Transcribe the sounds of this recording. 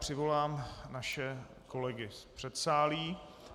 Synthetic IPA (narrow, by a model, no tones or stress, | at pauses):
pr̝̥ɪvo̞laːmnaʃɛ | ko̞lɛɡɪspr̥ɛt̪saːliː